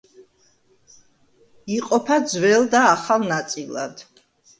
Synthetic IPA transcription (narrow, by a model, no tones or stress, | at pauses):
iqʼɔpʰad̪zwɛld̪aːχalˠnat̪sʼilˠa̰d̪̥